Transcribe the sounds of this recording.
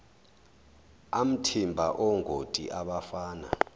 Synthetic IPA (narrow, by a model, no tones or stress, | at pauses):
am̩tʰimbʱaʔɔŋʱotʼiʔaɓafaːna̰